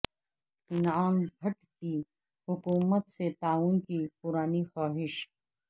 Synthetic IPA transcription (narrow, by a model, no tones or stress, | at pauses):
ɪnaːmbʱɐʈki | hʊkuːmət̪set̪aːuːnkipʊɾaːnixaːɦɪʃ